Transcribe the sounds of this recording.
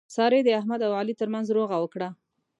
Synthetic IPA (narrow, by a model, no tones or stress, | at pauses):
sɑɾed̪əaɦmad̪awalit̪əɾmanzɾoɣawəkɽa